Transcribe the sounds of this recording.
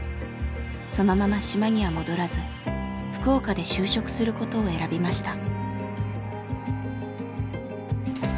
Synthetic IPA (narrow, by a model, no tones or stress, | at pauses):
so̞no̞mamaɕimaɲ̟iβamo̞d̪o̞ɾazɨ | ɸɯ̟̥ko̞ːkad̪e̞ɕɨːɕo̞kɯ̟̥sɨɾɯ̟ko̞t̪o̞ːe̞ɾabʲimaɕi̥t̪a